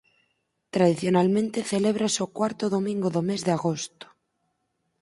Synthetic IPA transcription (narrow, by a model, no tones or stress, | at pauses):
t̪ɾað̞iθjonalmẽnt̪e̞θe̞leβɾasokwaɾt̪oðomĩŋɡoðome̞zðeaɣost̪o̥